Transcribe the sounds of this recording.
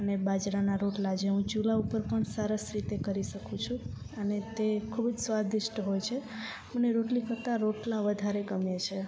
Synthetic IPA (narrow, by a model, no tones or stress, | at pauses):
ənebad͡ʒɾanaɾoʈlad͡ʒeɦũt͡ʃulaupəɾpəɳsəɾəsɾit̪ekəɾiʃəkʰũt͡ʃʰũ | ənet̪ekʰubd͡ʒsʋad̪iʃʈɦojt͡ʃʰe | məneɾoʈlikəɾt̪aɾoʈlaʋəd̪ʱaɾeɡəmjet͡ʃʰe